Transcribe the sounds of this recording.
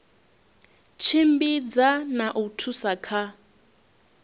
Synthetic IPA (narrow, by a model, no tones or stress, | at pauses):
t͡ʃʰimbid͡zanaʔutʰusakʰa